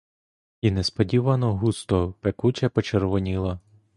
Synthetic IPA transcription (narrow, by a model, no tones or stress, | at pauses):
inɛspɔdʲiʋɐnɔɦust̪ɔpekut͡ʃɐpɔt͡ʃerʋɔnʲilˠɐ